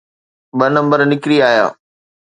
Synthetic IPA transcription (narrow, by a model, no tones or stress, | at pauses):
ɓɐnɐ̃mbəɾnɪkɾiaːja̰ː